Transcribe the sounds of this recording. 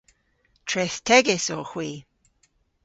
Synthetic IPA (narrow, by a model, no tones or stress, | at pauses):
tʰɹɛθtʰɛɡɪsɔxwiː